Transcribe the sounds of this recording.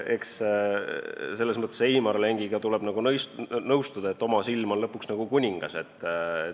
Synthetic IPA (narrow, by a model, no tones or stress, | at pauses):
e̞ks | se̞lːesmɤt̪ːˑesiːmɑɾleŋɡiɡ̥ɑt̪uleb̥nɑɡ̥unɤjsnɤwst̪ud̪̥ɑe̞t̪ːˑo̞mɑsilmo̞nlɤpːuksnɑɡ̥ukunʲiŋɡ̥ɑ̰se̞t̪ːe